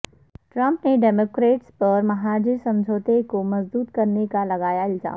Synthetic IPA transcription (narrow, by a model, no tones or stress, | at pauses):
ʈɾɐ̃mpneɖeːmoːkɾeːʈspɐɾmɐɦaːd͡ʒɪsɐ̃md͡ʒʱoːt̪ekomɐzd̪uːt̪kɐɾnekalɐɡaːjaɪlza̰ː